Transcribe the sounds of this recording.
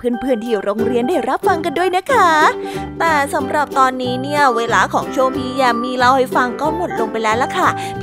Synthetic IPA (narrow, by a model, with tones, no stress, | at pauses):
pʰɯː˥˩ənpʰɯː˥˩ənt̪ʰiː˧˩ɾoː˧ŋɾi˧əndaː˥˩jɾa˦˥p̚fa˧ŋka˧ndu˥˩əjna˦˥kʰa˦˥mɛː˧˩sa˩˦mɾa˨˩p̚t̪ɔː˧nːiː˦˥ni˥˩ɐəweː˧laː˧˥kʰɔː˩˦ŋt͡ɕʰoː˧miː˧ja˨˩miː˧ɾa˧wha˥˩jfa˧ŋkɔː˥˩mo˨˩t̪̚lo˧ŋpa˧jlɛː˦˥wla˧˥˩kʰa˥˩